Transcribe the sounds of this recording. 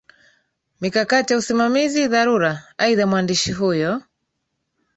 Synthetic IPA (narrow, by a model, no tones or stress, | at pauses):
mikakatijausimamiziðaɾuɾaaiðamwandiʃiɦujɔ